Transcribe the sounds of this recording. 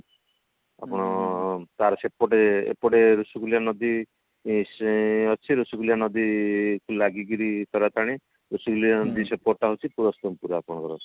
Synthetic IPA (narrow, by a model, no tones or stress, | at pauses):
a̰pɔɽ̃ɔt̪aɾɔsepɔʈeḛpɔʈeɾusukulijanɔd̪i | ɔt͡ʃʰiɾusukulijanɔd̪ikulaɡiɡiɾit̪ɔɾat̪aɽ̃i | ɾusukulijanɔd̪isepɔɾʈaɦot͡ʃʰipuɾɔst̪ɔmpuɾapɔɽ̃kɔɾɔt͡ʃʰi̥